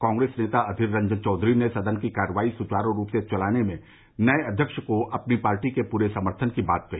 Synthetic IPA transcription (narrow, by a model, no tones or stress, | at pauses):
kãːŋɡɾeːsneːt̪aɐd̪ʱɪɾːɐ̃ɲd͡ʒənt͡ʃɔːd̪ʱɾinesɐd̪ənkikaːɾəʋaːisʊt͡ʃaːɾõɾuːpset͡ʃɐlaːnemẽ | nɐeɐd̪ʱjəkʃkoʔɐpnipaːɾʈikepuːɾesɐməɾt̪ʰənkibaːt̪̚kɐɦiː